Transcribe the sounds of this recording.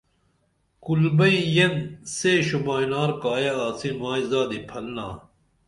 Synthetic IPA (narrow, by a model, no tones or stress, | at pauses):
kulbɐijɐnseːɕumaːjnaːɾkaːjeaːsinmaːizaːd̪ipʰɐlna̰ː